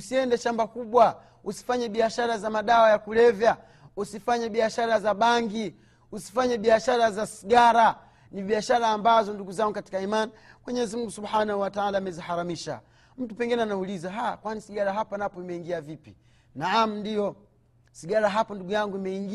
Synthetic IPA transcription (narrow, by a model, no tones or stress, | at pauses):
usiɛndɛʃambakuɓwa | usi̥faɲɛɓiaʃaɾazamaɗawajakulɛvja | usifaɲaɓiaʃaɾazaɓaŋɡi | usi̥faɲɛɓiaʃaɾazasiɡaɾa | niɓiaʃaɾaːmbazɔnduɡuzaŋɡukati̥kaimani | mwɛɲɛɛzimuŋɡusubħanahuwataalaːmɛzihaɾamiʃa̰ | m̩tupɛŋɡinɛanaulizaɦakwanisiɡaɾaɦapanapɔimɛiŋɡiavipi̥ | naam̩ndijɔ | siɡaɾaɦapɔnduɡujaŋɡuimɛiŋɡi